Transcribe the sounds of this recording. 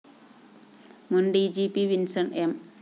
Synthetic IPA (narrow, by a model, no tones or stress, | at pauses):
mundijd͡ʒipiwinsənɛm